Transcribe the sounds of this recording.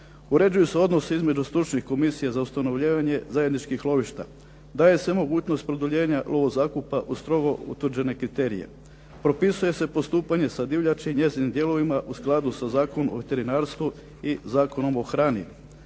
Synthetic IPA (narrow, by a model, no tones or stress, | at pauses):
uɾe̞d͡ʑujuse̞o̞d̪noseizme̞d͡ʑust̪ɾut͡ʃnixko̞misijazaust̪ano̞ʋʎiːʋaɲe̞zaje̞d̪nit͡ʃkixlˠo̞ʋiʃt̪a̰ | d̪aːje̞se̞mo̞ɡuːt͡ɕnost̪̚pɾod̪oʎe̞ːɲalʔo̞ʋo̞zaːkupaʔust̪ɾo̞ɡo̞ṵt̪ʋr̩d͡ʑe̞ne̞kɾit̪e̞ːɾḭje̞̰ | pɾo̞pisuje̞se̞po̞st̪uːpaɲe̞sad̪iʋʎʲat͡ʃiɲe̞zinimd̪jelo̞ʋimaʔusklˠad̪usazaːkonomo̰ʋet̪e̞ɾinaːɾst̪ʋu | izaːko̞no̞mo̞xɾaːnḭ